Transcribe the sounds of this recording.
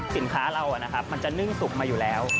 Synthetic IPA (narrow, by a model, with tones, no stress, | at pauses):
si˩˦nkʰaː˦˥ɾa˧wʔa˨˩na˦˥kʰa˦˥p̚ma˧nt͡ɕa˨˩nɯ˥˩ŋsu˨˩k̚maː˧juː˨˩lɛː˦˥w